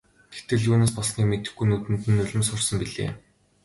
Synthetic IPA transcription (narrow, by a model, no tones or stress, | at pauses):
ɡ̪̥e̥t̪ɘ̆ɮjuːneːspɔɮsniːkmet̪ɘ̆xɡujnut̪ɘ̆nt̪ɘ̆nːʊɮʲɪ̆msʊrsə̆mpiɮḛː